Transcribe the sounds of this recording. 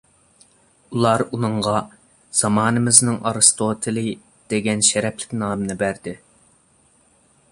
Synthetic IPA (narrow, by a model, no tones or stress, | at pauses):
ulˠɑɾunɨŋʁɑ | z̥ɑmɑːnɨmɪznɪŋɑ̰ɾɨst̪ʰoːt̪ʰɨlˠɨ | d̪̥eɡʲɛnʃɛɾɛplɪ̥kʲnɑːmɨnɨbæɾd̪ɪ